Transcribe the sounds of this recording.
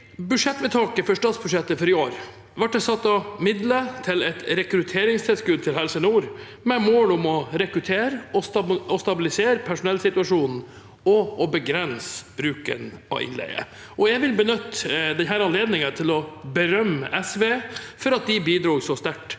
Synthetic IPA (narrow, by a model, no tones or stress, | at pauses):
bʉʂɛt̪ːʋɛt̪ʰɑːkəfœʂʈɑːt̪sbʉʂɛt̪ːəfɔɾɪoːɾ | ʋæʈ̚d̪ɛsɑt̪ːɑmɪd̪lət̪ʰɪlɛt̪ɾɛkɾʉt̪ʰeːɾɪŋst̪ʰɪlskʉd̪̚t̪ʰɪlɦɛlsənuːɾ | mɛmoːlʊmɔɾɛkɾʉt̪ʰeːɾɔsɔst̪ɑbɪlɪseːɾpʰæʂʊnɛlsɪt̪ʉɑʂuːnn̩ | ɔɔbəɡɾɛnsb̥ɾʉːkə̰nɑ̰ɪ̰nlæ̰ɪə̰ | ʔɔjæɪʋɪlbənʏt̪ːd̪ɛnɦæːɾɑnleːd̪nɪŋət̪ʰɪlɔbəɾœmːəʔɛsʋeːfɔɾɑt̪̚d̪ɪbiːd̪ɾuːɡsɔst̪æʈ